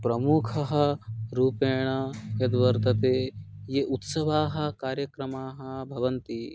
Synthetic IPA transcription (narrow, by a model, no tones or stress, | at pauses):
pɾɐmukʰɐɦɐ̆ɾuːpeːɳɐɐd̪ʋɐɾt̪ɐt̪eːjeʔut̪sɐʋaːɦɐ̆kaːɾjɐkɾɐmaːɦɐbʱɐʋɐnt̪i